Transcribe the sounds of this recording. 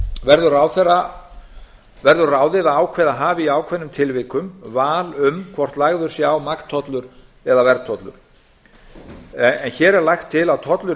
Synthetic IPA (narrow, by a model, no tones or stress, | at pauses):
vɛɾðʏɾaːwθɛrːa | vɛɾðʏɾraːwðɪðaaːwkʰvɛðaɦaːvɪiaːwkʰvɛnːʏmt̪ʰɪlvɪːkʏmvaːlʏmkʰvɔr̥t̪laɣðʏɾ̥sjaːwmakt̪ʰːɔt̪lʏɾ̥ | ɛðavɛɾt̪ʰɔt̪lʏ̰ɾ̥ | ɛnçɛːɾɛɾlajxt̪ʰːɪlaðt̪ʰɔt̪lʏ